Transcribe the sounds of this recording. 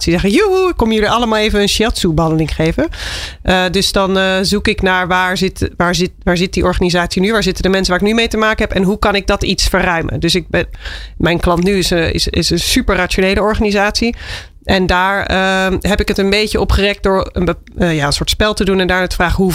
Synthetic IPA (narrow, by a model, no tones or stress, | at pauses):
sizɛχəjukːɔmjəliʔɑləmaːlˠejvənənʃɑtsubəɦɑndəlɪŋχejvəʔədɵsdɑnzukɪknaːɹʋaːɹzɪtʋaːɹzɪtʋaːɹzɪt̚diʔɔɹχaːnizaːtsinyʋaːɹzɪtədəmɛnsəʋaːɪknymejtəmaːkənɦɛpɛnɦukɑnɪɡ̚dɑtitsfərœɥmə̰ndøsɪk̚bɛmɛjnklɑntnyɪsɪ̰sɪ̰sənsypəɹraːt͡ʃonejləɔɹχanizaːtsi | ʔɛndaːɹəɦɛpɪkətənbejcəʔɔpχərɛk̚dʊːɹə̰nbə | jaːənsʊːɹtspɛlˠtədunɛndaːɹnaːtə̥fraːχɦu